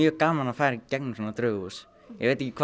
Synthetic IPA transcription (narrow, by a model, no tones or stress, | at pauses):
jœːkaːmalafaːjɾɪcɛk̚nsɔnat̪ɾœːɣus | jɛ̰ɣvejt̪ɪcɪkʰ